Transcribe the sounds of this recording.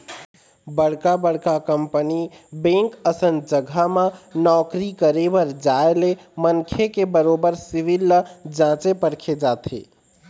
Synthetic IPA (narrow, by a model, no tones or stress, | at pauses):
bəɽ̤kabəɽ̤kakəmpənibẽŋkəsənd͡ʒəɡʱamãnɔkɾikəɾebəɾd͡ʒaele | mənkʰekebəɾobəɾsiʋilːd͡ʒãt͡ʃepəɽkʰed͡ʒaːt̪ʰḛ